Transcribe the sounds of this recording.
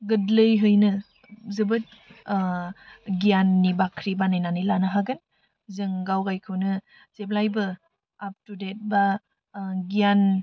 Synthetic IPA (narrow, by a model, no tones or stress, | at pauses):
ɡɯdlɯjɦɯjnɯ | zɯbɯt̚ | ɡijanːibakʰɾibanajnanɯjlanɯɦaɡɯn | zɯŋɡawɡajkʰɯwnɯ | z̥eblajbɯ | ap̚tudet̚ba | ɡijan